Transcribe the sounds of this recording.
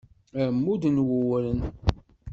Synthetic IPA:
æmːud̪nwəwɾən

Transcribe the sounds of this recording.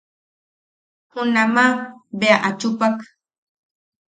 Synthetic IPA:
hʊnamabeaʔat͡ʃʊpak

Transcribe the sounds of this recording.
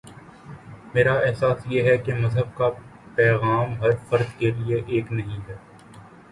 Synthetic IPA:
meːɾaɛɦsaːsjeɦɛkemɐzɦəb̚kapɛːɣaːmɦɐɾfɐɾd̪kelieʔeːknɐɦĩɦɛː

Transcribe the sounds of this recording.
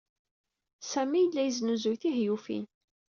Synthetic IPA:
sæmijəlːæjəznuzujθiɦjufḭn

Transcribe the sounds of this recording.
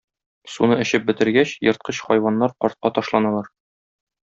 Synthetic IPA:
sunɤɘ̆ɕɘp̚bɘ̆t̪ɘ̆ɾɡæɕjɤ̆ɾt̪̚qɤɕχɒjwɑnːɑɾqɒɾt̪̚qɑt̪ɒʃlˠɑnɑlˠɑɾ

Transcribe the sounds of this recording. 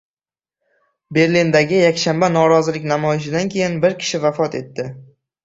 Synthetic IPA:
be̞ɾlind̪aɡʲɪjakʲʃambanɒɾɒzɪlɪkʲnamɒjɪʃ̬ɪd̪ankʲʰe̞jɪnbɪɾkʲʰɪ̥ʃɪvafɒt̪e̞̰t̪ːɪ

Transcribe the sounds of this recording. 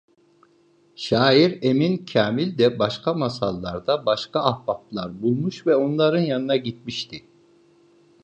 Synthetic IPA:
ʃaːiɾemincʰaːmilʲd̪ɛbaʃkʰamasalˠːaɾd̪abaʃkaːhbap̚lˠaɾbulˠmuʃvɛo̞nlˠaɾɯnjanɯnaɟit̪̚miʃt̪ʰi

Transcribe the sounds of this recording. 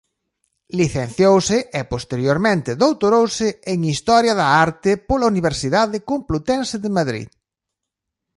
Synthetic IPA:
liθen̟θjowsɪʔepost̪eɾjoɾmẽnt̪ɪðowt̪oɾowsɪeŋist̪ɔɾjɐðɐaɾt̪ɪpolauniβ̞eɾsiðaðɪkomplut̪ensɪðɪmaðɾḭð

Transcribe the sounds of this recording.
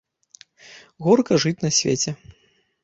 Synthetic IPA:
ɣɔrkɐʐɨt͡sʲnɐsʲvʲḛt͡sʲɛ

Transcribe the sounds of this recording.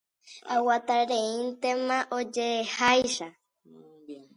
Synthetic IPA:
awat̪aɾeĩnt̪emãʔod͡ʒeːhajʃa

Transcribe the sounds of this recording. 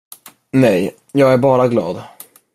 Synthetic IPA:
nɛj | jɑːɡæɾbɑːɾaɡlɑ̰ːd̪

